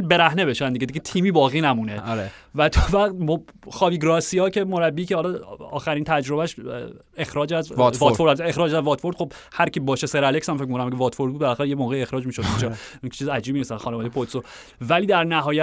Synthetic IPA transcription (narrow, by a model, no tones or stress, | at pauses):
beɾæhnebe̞ʃænd̪iɟed̪iɟet̪ʰiːmiːbɒːɣiːnæmuːneɾvæt̪ʰɒvæɣt̪̚mo | xɒːbiːɡɾɒsijɒːcʰe̞mo̞ɾæbːiːcʰehɒlɒɒ̰ːxæɾint̪ʰæd͡ʒɾo̞bæʃ | exɾɒːd͡ʒæzfɒfoɾexɾɒːd͡ʒæzvɒt̪foɾd̪χxo̞b | hæɾcʰibɒːʃeseɾæleksæmfecmikonæmæcevɒːt̪foɾd̚bud̪belæxæɾejemoːɣejexɾɒːd͡ʒmiːʃod̪ind͡ʒɒi̥t͡ʃʰizæd͡ʒibminisæxɒːnevɒd̪ejepʰot̪so | væliːd̪æɾnæɦɒːjæ